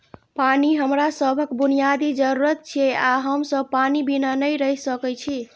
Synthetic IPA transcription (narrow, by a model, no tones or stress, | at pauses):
paniɦəmɾasəbʱəkbunijad̪id͡ʒəɾuɾət̪̚t͡ʃʰieaɦəmsəbpanibinanəjɾəjsəkɛt͡ʃʰi